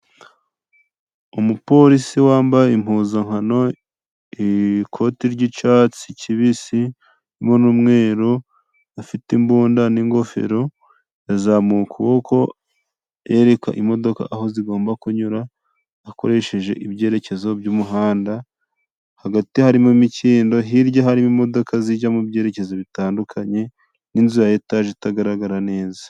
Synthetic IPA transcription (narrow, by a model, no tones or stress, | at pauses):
omupo̞ɾisiwaːmbajeim̥huːzaŋhano̞ | ikʰo̞tiɾɟit͡ʃaːt͡siciβisi | ɾimonuːmŋe̞ːɾo | afitimbuːndaniŋɡo̞fe̞̰ɾo̞ | jazamukuβoko̞ | e̞ɾe̞ka̰ʔimo̞do̞ka̰ʔaho̞ziɡo̞ːmbakuɲuɾaː | ko̞̰ɾe̞ʃe̞ʒe̞̰ʔibje̞ːɾe̞ce̞zo̞bjuːmuɦaːnda | haɡatihaɾimumiciːndo̞ɦiɾɟoɦaɾimumo̞do̞kazid͡ʒamubje̞ːɾe̞ce̞zoβitaːndukʰaɲe̞ | ninzujajetaːʒetaɡaɾaɡaɾane̞ːza